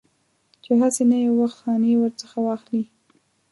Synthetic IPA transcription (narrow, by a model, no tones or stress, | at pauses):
t͡ʃeɦasenajewaxt̪xɑnewəɾt͡səxawɑxli